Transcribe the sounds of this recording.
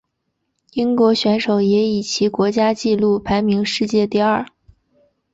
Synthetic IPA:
i˥ŋkwɔ˧˥ɕɥɛ˧˥nʂo˨˩ʊjɛ˧˥i˨˩t͡ɕʰi˧˥kwɔ˧˥t͡ɕja˥t͡ɕi˥˧lu˥˩pʰa˧˥ɪmi˧˥ŋʂɻ̩˥˧t͡ɕjɛ˥˧t̪i˥˧ɐ˥˩

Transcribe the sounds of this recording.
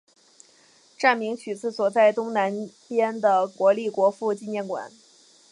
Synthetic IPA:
ʈ͡ʂa˥˩nmi˧˥ŋt͡ɕʰy˨˩t͡sɹ̩˥˩swɔ˨˩t͡sa˥˩ɪt̪ʊ˥ŋna˧˥npjɛ˥nd̪ə˨kwɔ˧˥li˥˩kwɔ˧˥fu˥˧t͡ɕi˥˧njɛ˥˩nkwa̰˨˩˦n

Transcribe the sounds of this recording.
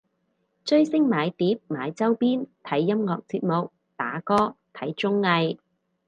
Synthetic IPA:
t͡ʃɵ˥ɥsɪ˥ŋmaː˨˧jt̪iː˨˥p̚maː˨˧jt͡sɐ˥wpiː˥nt̪ʰɐ˨˥jːɐ˥mŋɔː˧k̚t͡siː˧t̚mʊ˨k̚ | t̪aː˨˥kɔː˥t̪ʰɐ˨˥jt͡ʃʊ˥ŋːɐ˧j

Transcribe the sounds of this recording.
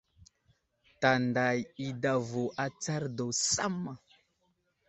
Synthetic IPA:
ta˨nda˨ji˦da˨vo˨ʔa˦t͡sa˦ɾdo˨sa˦mːa˨

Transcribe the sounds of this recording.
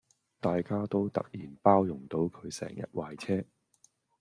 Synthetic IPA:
t̪aː˨jkaː˥t̪o˥wt̪ɐ̰˨k̚jiː˨˩npaː˥wjʊ˨˩ŋt̪o˨˧wkʰɵ˨˧ɥsɛ̰ː˨˩ŋjɐ̰˨t̚waː˨jt͡sʰɛː˥

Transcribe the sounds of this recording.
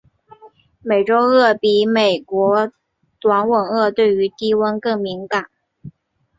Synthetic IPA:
me˨˩ɪʈ͡ʂo˥ʊɤ˥˩pi˧˥me˨˩ɪkwɔ˧˥ | t̪wa˧˥nwə˨˩ŋɤ˥˧t̪we˥˩ɪy˧˥t̪i˥wə˥nkɤ˥˩ŋmi˧˥ŋka˨˩˦n

